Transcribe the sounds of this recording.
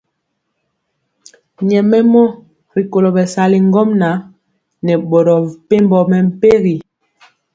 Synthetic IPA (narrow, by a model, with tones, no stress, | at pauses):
ɲɛ˨mɛ˦mɔ˦ | ɾi˨ko˨lo˨bɛ˨sa˨li˨ŋ˦ɡɔ˦mna˨˦ | nɛ˨ɓo˨ɾɔ˨pe˦mbɔ˨mɛ˨m̩˨˦pe˦ɣi˨